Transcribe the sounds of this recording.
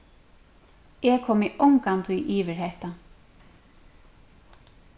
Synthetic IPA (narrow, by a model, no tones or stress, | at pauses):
ɛkʰɔːmɪʔɔŋkant̪ʰujʔiːʋɪɹhɛht̪a